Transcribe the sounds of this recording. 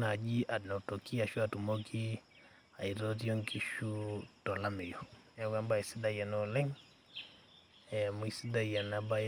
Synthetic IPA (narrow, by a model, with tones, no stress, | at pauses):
na˨d͡ʒi˦ʔa˨nɔ˨tɔ˨ki˦a˨ʃu˦a˨tu˨mɔ˦kʰi˦ | a˨i˨ɾɔ˦ti˦ɔ˦ŋki˦ʃu˦tɔ˨la˦mɛ˨jɔ | a˦ka˦mba˨i˨si˦da˦i˨a˨nɔlɛ˦ŋ | ɛmu˨isi˦da˦i˨ja˨na˨ba˦